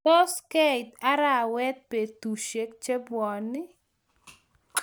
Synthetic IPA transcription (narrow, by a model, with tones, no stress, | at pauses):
to˦ske˦jt̪a˦ɾa˦˨wɛ˦t̪̚pe˨t̪u˨ʃe˦k̚t͡ʃe˦bwɔ˨nːɪ˦